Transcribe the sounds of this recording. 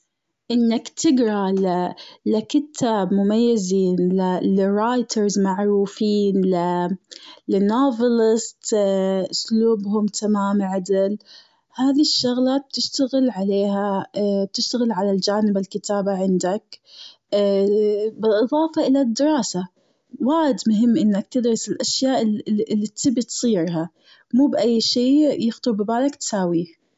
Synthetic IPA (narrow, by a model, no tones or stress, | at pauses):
ʔɪnːakt̪ʰɪɡɾˤɑlɪlɪkɪt̪ʰaːbmʊmajːɪziːnlɪlɪɾˤaːjt̪ʰɑɾzmaʕɾuːfiːnlɪ | lɪnoːvɑlɪst̪ʔʊsluːbɦʊmt̪ʰamaːmʕad̪ɪl | haːðiʃːʊɣlaːt̪̚b̥̚t̪ɪʃt̪aɣɪlʕaleːɦab̚t̪ɪʃt̪aɣɪlʕalald͡ʒaːnɪbalkɪt̪aːbaʕɪnd̪akː | bɪlʔɨðˤɑːfɑʔɪlad̪ːɪɾˤɑːsa | waːɪd̪mʊɦɪmːʔɪnːakt̪ɪd̪ɾɑsɪlʔaʃjaːʔʔlːit̪ːɪbit̪sˤiːɾɦa | muːbʔajːʃiːjɪxt̪ʊɾbɪbaːlakt̪saːwiː